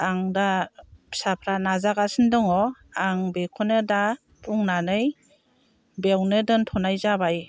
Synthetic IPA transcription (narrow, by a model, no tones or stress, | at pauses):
aŋdasapʰɾanazaɡasɯndɔŋɔaŋbekʰɔnɯda | pʰuŋnanɯj | bewnɯdɯntʰɔnajzabaj